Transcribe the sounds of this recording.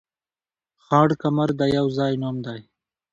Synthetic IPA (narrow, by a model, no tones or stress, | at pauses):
xɑːɽkamaɾd̪ajawzɑːjnomd̪aj